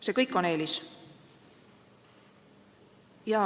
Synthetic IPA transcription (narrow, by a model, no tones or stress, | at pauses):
se̞ːkɤjkːˑo̞ne̞ːlʲis | jɑ